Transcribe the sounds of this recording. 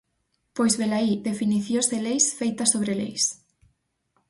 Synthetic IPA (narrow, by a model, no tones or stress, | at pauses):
pojzβelaiðefiniθjoselejsfejt̪ɐsoβɾelḛjs